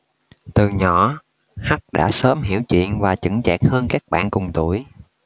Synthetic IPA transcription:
t̪ɨ˨˩ɲɔ˧˩˨ | ha˦˥k̚ɗa̰ː˧˥səː˨˦mɦi˧˩˥əwt͡ɕwḭ˧˨ənvaː˨˩t͡ɕɨ˧˥ŋt͡ɕa̰ː˨˩k̚həː˧nkaː˦˥k̚ɓa̰ː˧˨nkʊ˨˩ŋ͡mt̪u˧˩əj

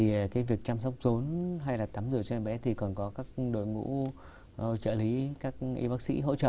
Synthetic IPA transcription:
i˨˩kaː˨˦jvi˨˩ək̚t͡ɕaː˧msa˦˥wk͡p̚zo˨˦nɦa˧jlaː˨˩t̪aː˨˦mzɨ˨˧˩ət͡ɕɔ˧ɓɛ˨˦t̪ʰi˨˩kɔ˨˩nkɔ˨˦kaː˦˥k̚ɗo̰˧˨jŋṵ˧˥˧ | t͡ɕə̰ː˧˨˩li˨˦kaː˦˥k̚ʔḭ˧ɓaː˦˥k̚sḭ˧˥ɦo̰˧˥t͡ɕə̰ː˧˨

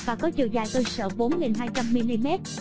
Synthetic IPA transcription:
vaː˨˩kɔ˨˦t͡ɕḭ˧˨əwzaː˧˩jk̪əː˧səː˧˩ɓo˨˦nŋi˨˩ŋɦaː˧jt͡ɕa˧mːi˧li˧mɛ˦˥t̚

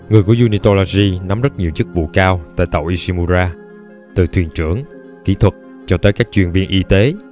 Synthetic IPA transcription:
ŋɨ˨˩əjku˧˩əzu˧ni˧t̪o˧la˧zi˧na˨˦mzə˦˥t̚ɲi˨˩əwt͡ɕɨ˦˥k̚vṵ˧˨kaː˧wt̪a̰ː˧˨jt̪ə̰˨˧˩wʔi˧si˧mu˧zaː˧ | t̪ɨ˨˩t̪ʰwi˨˩ənt͡ɕɨ˧˩əŋ | ki˧˩˦t̪ʰwə˨˩t̚ | t͡ɕɔ˧t̪əː˨˦jkaː˦˥k̚t͡ɕwḭ˨˩ənvi˧ənʔi˧t̪e˨˦

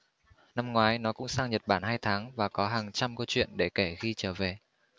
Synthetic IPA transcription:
na˧mŋwaː˨˦jnɔ˨˦kʊ̰˧˥ŋ͡msaː˧ŋɲə˨˩t̚ɓaː˧˩nɦaː˧jt̪ʰaː˨˦ŋvaː˨˩kɔ˨˦ɦaː˨˩ŋt͡ɕa˧mkə˧wt͡ɕwḭ˧˨ənɗe˧˩ke˧˩xi˧t͡ɕəː˧˩ve˨˩

